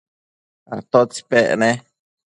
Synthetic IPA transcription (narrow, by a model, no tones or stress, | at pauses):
a̰t̪ot͡speʔne